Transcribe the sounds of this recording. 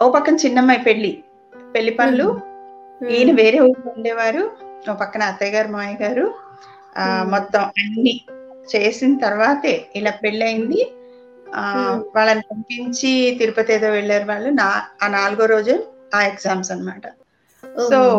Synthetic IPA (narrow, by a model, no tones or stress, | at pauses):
oːpɐkːɐnɐt͡ʃinːɐmːɐjpeɭːi | peɭːipɐɭːu | iːnɐʋe̞ːɾe̞ːuɽuuɳɖɛːʋaːɾuoːpɐkːɐnɐːt̪ːɐjɡaːɾumaːjɡaːɾu | mɔt̪ːɐmɐnːit͡ʃe̞ːsint̪ɐɾʋaːt̪eːilaːpe̞ɭːiɐjind̪i | ʋaːɭːɐnit̪ɐmpiɲt͡ʃit̪iɾupɐt̪eːt̪oːʋɛɭːaːɾuʋaːɭːunaaːnaːluɡoɾo̞ːd͡ʒulu | aːeɡsaːmsɐnɐmaːʈɐ | so̞ː